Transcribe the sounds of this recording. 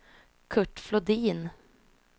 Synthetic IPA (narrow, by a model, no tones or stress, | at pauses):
kʰɵʈːflɔd̪iːn